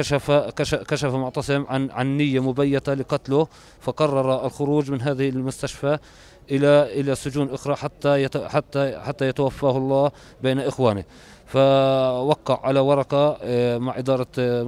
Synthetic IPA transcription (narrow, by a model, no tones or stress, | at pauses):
ʃafakakaʃafamʊʕt̪ɑsˤɪmʕaʕanːɪjːamʊbajːɪt̪alɪqɑt̪lʊ | fɑqɑrˤːɑɾˤɑɪlxʊɾuːd͡ʒmɪnɦaːðɪhɪlmʊst̪aʃfa | ʔɪlaʔɪlasʊd͡ʒuːnʔʊxɾˤɑħat̪ːaħat̪ːaħat̪ːajat̪awafːaːhlˤːɑː | beːnaʔɪxwaːnɪ | fawɑqːɑʕʕalawɑɾˤɑqɑmaʕʔɪd̪ɑːɾˤɑ